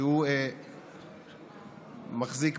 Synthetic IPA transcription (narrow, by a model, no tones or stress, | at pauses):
hue | maχzik